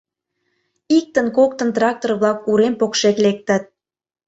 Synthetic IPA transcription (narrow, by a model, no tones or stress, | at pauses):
ik̚t̪ənkok̚t̪ə̆nt̪rɑk̚t̪orβlɑk̚uɾempokʃeklek̚t̪ət̪̚